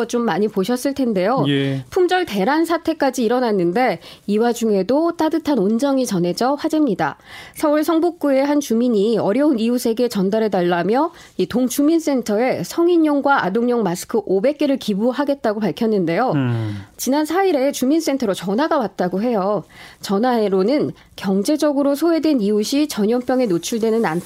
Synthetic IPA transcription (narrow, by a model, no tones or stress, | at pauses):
t͡ɕomːaɲipoɕʰʌs͈ɯɭtʰe̞nde̞jojpʰumd͡ʑʌɭte̞ɾansʰatʰe̞k͈ad͡ʑiːɾʌnanːɯnde̞iwad͡ʑuŋe̞dot͈adɯtʰanond͡ʑʌŋit͡ɕʌne̞d͡ʑʌɸwad͡ʑimɲida̰sʰʌuɭsʰʌŋbuk̚k͈ue̞ɦant͡ɕumiɲiʌɾjʌuniusʰe̞ɡe̞t͡ɕʌndaɾe̞daɭːamjʌ | itoŋt͡ɕumins͈e̞ntʰʌe̞sʰʌŋiɲːoŋɡwaa̰doŋɲʌŋmasʰɯ̥kʰɯʔobe̞k̚k͈e̞ɾɯɭkibuɦaɡe̞t̚t͈aɡopaɭkʰjʌnːɯnde̞jot͡ɕinansʰaiɾe̞t͡ɕumins͈e̞ntʰʌɾot͡ɕʌnaɡawat̚t͈aɡoɦe̞jot͡ɕʌnaeɾonɯn | kjʌŋd͡ʑe̞d͡ʑʌɡɯɾosʰoe̞dweniuɕʰit͡ɕʌɲʌmpjʌŋe̞not͡ɕʰuɭdwenɯna̰ntʰ